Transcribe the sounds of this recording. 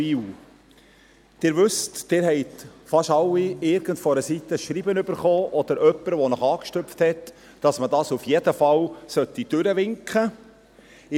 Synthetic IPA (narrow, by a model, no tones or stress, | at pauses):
iw | d̪̥ɪːɾʋʏstd̥ɪːɾhɛɪtfɑʃɑlːiɪɾɡ̥əntfɔɾəsit̪əʃɾiːbənʏbəɾχoːʔɔd̥̪əɾœpːəɾʋɔnɔχɑːkʃtʏpfthɛt | d̥ɑsmədɑːsufjɛdəfɑwsœtːid̥ʏɾəʋɪŋkχə